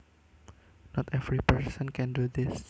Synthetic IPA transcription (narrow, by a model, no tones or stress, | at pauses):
nɔt̪ɛvɹipəɹsə̃nkɛ̃ndud̪ɪs